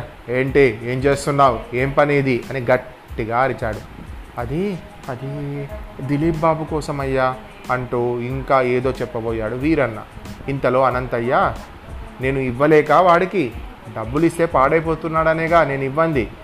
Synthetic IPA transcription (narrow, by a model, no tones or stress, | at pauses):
eːɳʈeeːmt͡ʃe̞ːst̪unːaːwueːmpɐniːd̪iʔɐniɡɐʈː | iɡaːɐɾit͡ʃaːɽuɐd̪i | ɐd̪i | d̪iliːbːaːbukɔːsɐmɐjːaː | ɐɳʈuːiŋkaːeːd̪oːt͡ʃɛpːɐboːjaːɽuʋiːɾɐnːa̰int̪ɐlo̞ːɐnɐnt̪ɐjːaː | ne̞ːnuiʋːɐlɛːkaːʋaːɽiki | ɖɐbːulist̪e̞ːpaːɽɐjpo̞ːt̪unːaːɽɐneːɡaːne̞ːnuiʋːɐnd̪i